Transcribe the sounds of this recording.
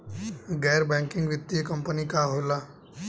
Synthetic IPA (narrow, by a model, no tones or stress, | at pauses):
ɡɛːɾbɛ̃ːŋkɪ̃ŋɡʋɪt̪ːijəkə̃mpənikaːɦolaː